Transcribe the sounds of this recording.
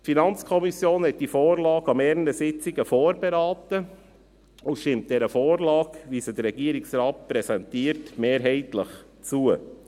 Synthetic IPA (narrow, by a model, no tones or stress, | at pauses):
tfinɑnt͡skʰɔmisjoːnhɛt̚d̥ifoːɾlɑːɡɑmɛːɾnəsɪt͡sɪɡəfoːɾbɛɾɑːtə | uʃtɪmt̚d̥ɛɾəfoːɾlɑːkʋisədəɾɛɡiəɾɪksɾɑːt̚pɾɛsɛntiːəɾtmeːɾɦɛɪtləχ | t͡suə